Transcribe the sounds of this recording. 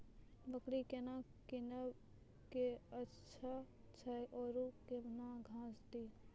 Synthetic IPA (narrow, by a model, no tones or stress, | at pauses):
bəkɽikenakinəb | keə | ʃʰa | t͡ʃʰaʔɔːɾukebnaɡʱãːsd̪iː